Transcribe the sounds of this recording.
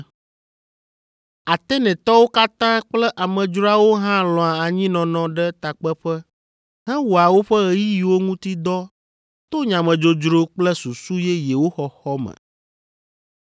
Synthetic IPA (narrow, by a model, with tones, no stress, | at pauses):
a˨t̪ɛ˦nɛ̃˨t̪ɔ˦wo˦ka˦t̪ã˦k͡plɛ˦ʔa˨mɛ̃˨d͡ʒɾo˦a˦wo˦ɦã˦lɔ̃˨a˨a˨ɲĩ˦nɔ̃˨nɔ̃˨ɖɛ˦t̪a˨k͡pɛ˦ɸɛ˦ | hɛ̃˦wo˨a˨wo˦ɸɛ˦ɣe˦ji˦ji˨wo˦ŋũ˦t̪i˦d̪ɔ˦ | t̪o˦ɲã˨mɛ̃˨d͡ʒo˨d͡ʒɾo˦k͡plɛ˦su˨su˦jɛ˦jɛ˨wo˦xɔ˨xɔ˦mɛ̰˨